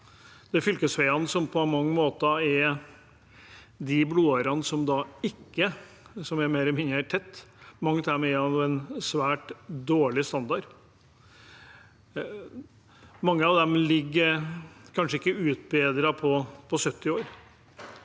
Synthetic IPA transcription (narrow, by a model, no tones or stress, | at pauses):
d̪̥ɛfʏlkəsʋæɪɑnəsɔmpʰɔmɑŋːəmoːt̪əɛɾ | d̪ɪbluːɑɾɑnəsɔmd̪ɑɪkːə | sɔmɛmeːɾɛmɪnəæʈʰɛt̪ːmɑŋːət̪æɾmɛɛɾhɑnʊɛnsʋæːʈd̪oːɭɪst̪ɑnd̪ɑɾ | mɑŋːəɑʋd̪ɛmlɪɡːəɾkʰɑnʂəɪkːəʉːt̪̚beːd̪ɾɑpʰɔpʰɔsœt̪ːɪoːɾ